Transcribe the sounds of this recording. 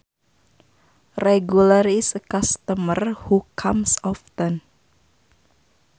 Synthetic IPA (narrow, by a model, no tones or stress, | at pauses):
rɛɡulaɾisəkast̪əmərhukʰamsɔft̪ən